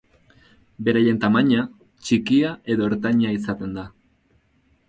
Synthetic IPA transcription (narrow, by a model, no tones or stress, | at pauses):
be̞ɾaje̞nt̪amaɲa | t͡ʃikiaʔe̞ðo̞eɾt̪aɲaisat̪e̞nd̪a